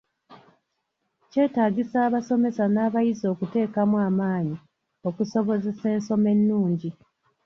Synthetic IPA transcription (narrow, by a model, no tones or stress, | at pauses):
ce̞ːtaːɟisaːβaso̞me̞sanaːβajizo̞ːkute̞ːkamuaːmaːɲi | o̞kuso̞βo̞ze̞se̞ːnso̞me̞nːuːɲɟi